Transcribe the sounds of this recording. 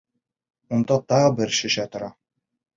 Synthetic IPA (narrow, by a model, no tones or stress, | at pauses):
und̪ɑt̪ɑʁɤbɘɾʃɵ̆ʃæt̪ŏɾɑ